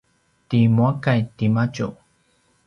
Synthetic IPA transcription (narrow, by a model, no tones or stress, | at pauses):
t̪imuakajt̪imat͡ʃu